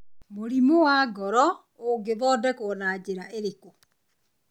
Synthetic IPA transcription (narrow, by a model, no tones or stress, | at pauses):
moɾimowaːɡɔɾɔ | oɡeðɔdɛkonaːd͡ʑeɾaʔeɾeko